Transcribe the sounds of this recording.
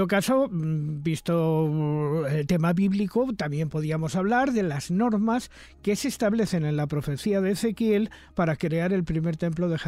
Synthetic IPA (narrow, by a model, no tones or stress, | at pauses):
okasobist̪o | elt̪e̞maβiβlikot̪amje̞mpo̞ð̞iamo̞saβlaɾðe̞lazno̞ɾmas | ke̞sest̪aβle̞θenẽ̞nlapɾo̞fe̞θiaðeːθe̞kje̞l | paɾakɾe̞aɾe̞lpɾime̞ɾt̪e̞mplo̞ðe̞x